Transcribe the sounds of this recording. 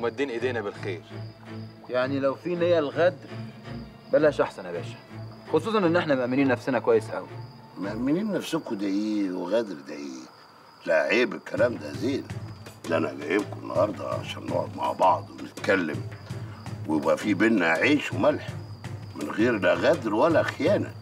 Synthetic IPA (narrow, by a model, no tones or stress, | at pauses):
mæd̪ːiːnʔed̪eːnæbelxeːɾ | jaʕnilæwfiːnejælɣæd̪ɾ | bælæʃʔaħsænæbæːʃæ̥xosˤuːsˤɑnʔenːʔeħnæmʔæmːeniːnːæfsenækowæjːesʔæ̰wi | mʔæmːɪniːnːæfsokud̪æjiːweɣæd̪ɾd̪æʔiː | læʕeːbɪlkælæːmd̪æzeːld̪æʔænæɡæjebkoenːɑ̰hɑɾˤd̪ˤɑ̰ʕa̰ʃæːnːo̰ʕo̰d̪ma̰ʕbɑʕd̪ˤwenɪt̪kælːɪm | wjebʔæfiːbenːæʕiːʃwmælħmɪnɣeːɾlæɣæd̪ɾwælːæʔæxjæːnæ̰n